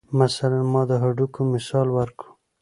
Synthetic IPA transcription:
masalanmɑd̪əɦaɖukomɪsɑlwaɾkɽu

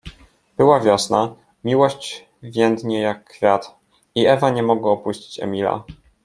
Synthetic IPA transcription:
b̥ɘwavʲjɔsna | mʲiwɔɕt͡ɕ | vʲjɛnd̪ɲɛjakːfʲjat̪ | iɛvaɲɛmɔɡwaɔpuɕt͡ɕi̥t͡ɕɛ̰mʲila̰

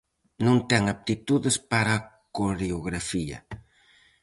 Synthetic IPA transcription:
nõnt̪ɛŋaβt̪it̪uðɪspaɾakoɾeoɣɾafiɐ̰

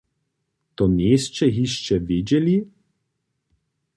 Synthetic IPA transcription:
t̪oneːst͡ʃɛɦiʃt͡ʃɛvid͡ʒɛli

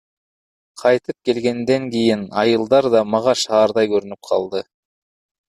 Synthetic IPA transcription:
qʰɑjt̪ɯp̚ke̞lɡe̞nd̪e̞ŋkʲijɪnɑjɯlˠd̪ɑɾd̪ɑmɑʁɑʃɑːɾd̪ɑjkɵɾynyp̚qʰɑ̰lˠd̪ɯ

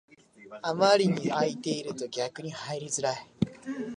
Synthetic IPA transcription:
amaɾʲiɲ̟iait̪e̞iɾɯ̟t̪o̞ɡʲakɯ̟ɲ̟ihaiɾʲizɨɾae

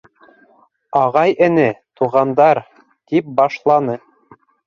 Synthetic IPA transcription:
ɑʁɑjɘ̆nɘt̪uʁɑnd̪ɑɾ | t̪ip̚bɑʃlˠɑnɤ

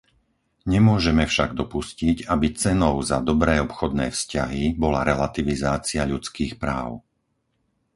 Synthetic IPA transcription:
ɲɛmʊɔʒɛmɛfʃaɡd̪ɔpuscicabit͡sɛnɔʊzad̪ɔbɾɛːɔpxɔd̪nɛ̰ːfscaɦibɔla̰ɾɛlat̪iʋizaːt͡siaʎut͡skiːxpɾaːʊ

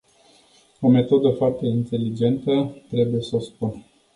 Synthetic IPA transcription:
o̞me̞t̪o̞d̪əfoart̪e̞int̪e̞lid͡ʒe̞nt̪ət̪ɾe̞buje̞səspun

